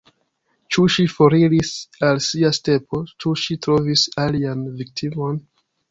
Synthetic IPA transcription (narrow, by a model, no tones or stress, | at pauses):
t͡ʃuʃifoɾilisalsiaste̞po̞t͡ʃuʃitɾovisalianvik̚tʰimo̞n